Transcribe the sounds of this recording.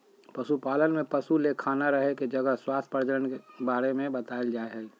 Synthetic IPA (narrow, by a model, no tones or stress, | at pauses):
pəsupaːlənmẽpəsulekʰaːnaɾəɦeked͡ʒəɡəɦswaːst̪ʰpəɾd͡ʒəɾənkebaːɾemẽbət̪aːld͡ʒaːeɦɛː